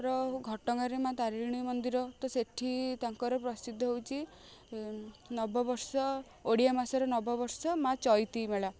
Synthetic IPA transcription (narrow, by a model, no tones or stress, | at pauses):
ɾɔɡʱɔʈɔŋaɾemãt̪aɾiɾɽ̃imɔnd̪iɾɔt̪ɔseʈʰit̪aŋkɔɾɔpɾɔsid̪ʱɔɦewt͡ʃʰi | nɔbɔbɔɾsɔ | oɽijamasɔɾɔnɔbɔbɔɾsɔmat͡ʃɔjt̪imeɭa